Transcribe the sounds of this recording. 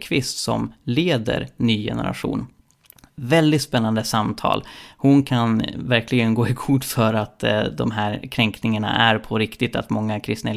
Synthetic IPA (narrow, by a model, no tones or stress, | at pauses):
kʰvɪst̪sɔ̰mleːd̪ə̰ɾnyːjɛ̰nə̰ɾa̰ɧṵːn | vɛld̪ɪt̪spɛnːand̪əsamt̪ʰɑ̰ːlhʊnkʰanvæɾkʰlɪɡənɡoːɪkʰʊʈːfœɾat̪d̪ɔmɦæːɾkʰɾɛŋknɪŋaɳa̰ʔæɾpʰɔɾɪkt̪ɪt̪a̰t̪mɔŋːakʰɾɪst̪na